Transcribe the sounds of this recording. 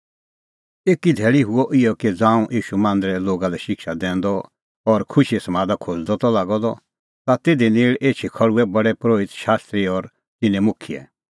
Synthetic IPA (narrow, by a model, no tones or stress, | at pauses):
eːkid̪ʱɛːɭiɦʊɔʔɪjɔked͡zãːũʔiːʃumãːnd̪ɾɛloːɡalɛʃɪkʃad̪ɛ̃ːnd̪ɔ | ɔɾkʰʊʃiesɐmaːd̪akʰod͡zd̪ɔt̪ɔlaːɡɔd̪ɔ | t̪at̪eːd̪ineːɭeːt͡ʃʰikʰɐɽuɛbɐɽɛpɾoːɪt̪ʃaːst̪ɾiɔɾ | t̪ɪnɛ̃mʊkʰiɛ̰